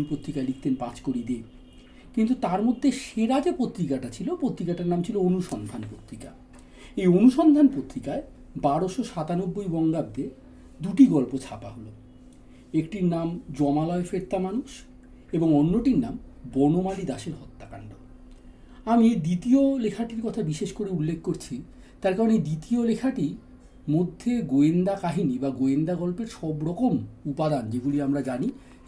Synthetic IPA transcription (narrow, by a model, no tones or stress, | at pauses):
pot̪ːɾikaelikʰt̪enpat͡ɕkoɾid̪e | kint̪ut̪aɾmod̪ʱːeʃeɾad͡ʑepot̪ːɾikaʈat͡ɕʰilopot̪ːɾikaʈaɾnamt͡ɕʰiloonuʃɔnd̪ʱanpɾot̪ɾika | ejonuʃɔnd̪ʱanpot̪ːɾikae | baɾoʃoʃat̪anobːojbɔŋɡab̚d̪e | d̪uʈiɡɔlpot͡ɕʰapaɦolo | ekʈiɾnamd͡ʑɔmalɔefɾeɾt̪ːamanuʃ | eboŋɔnːoʈiɾnambɔnomalid̪aʃeɾɦɔt̪ːakaɳɖo | amid̪it̪iolekʰaʈiɾkɔt̪ʰabiʃeʃkoɾeulːekʰkoɾt͡ɕʰi | t̪aɾkaɾoned̪it̪iolekʰaʈi | mod̪ʱːeɡoend̪akaɦinibaɡoend̪aɡɔlpeɾʃɔbɾɔkomupad̪and͡ʑeɡoliamɾad͡ʑani